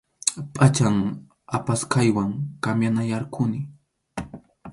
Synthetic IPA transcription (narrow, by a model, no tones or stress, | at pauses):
pʼat͡ʃaŋ | apaskajwaŋkamjanajaɾkʰʊnɪ